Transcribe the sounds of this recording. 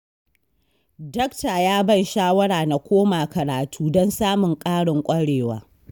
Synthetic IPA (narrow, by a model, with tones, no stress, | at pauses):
dɔ˦kta˨jaː˦bɐ˦nʃaː˦wɐ˦ɽaː˨na˨kʷʰoː˦maː˨kɐ˨ɾaː˨tʰuː˦dɔ˦nsaː˦mʊ˨ŋkʼaː˦ɽɪ˨ŋkʷʼɐ˦ɽeː˨wa̰ː˦